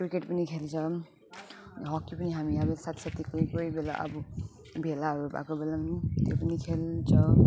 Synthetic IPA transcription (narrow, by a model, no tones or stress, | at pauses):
krikeʈpʌnikʰelt͡sʰʌ | ɦʌkːipʌniɦamiabelsat̪sat̪ikojkojbela̰ʔa̰bɔ | bʱelaʌɾuba̰kobelamt̪jo̰pʌnikʰelt͡sʰʌ